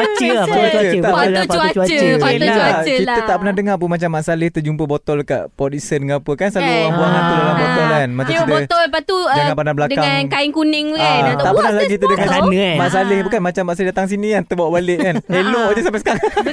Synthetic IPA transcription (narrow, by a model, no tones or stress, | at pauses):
t͡ʃət͡ʃuat͡ʃət̪alauəaaaəit̪ət̪aʔpənahdəŋap̬unmat͡ʃamːaʔsalɪht̪əd͡ʒumpəbɔt̪ɔlka̰ʔpɔt̪isəndəŋapəkansaluaŋbuaŋat̪udalabɔt̪ɔlanmat͡ʃaŋsit̪ət̪ɔlpat̪ud͡ʒaŋãnpanabəladkaŋankaɪŋkunɪŋt̪aʔppənahlaɡit̪udəŋaanəmaʔsalɪhbukanmat͡ʃamːaʔs̬alidat̪aŋs̬inĩkant̪əbawʔbalɪʔkaneloʔd͡ʒəsamp̬ɛsəkaɾa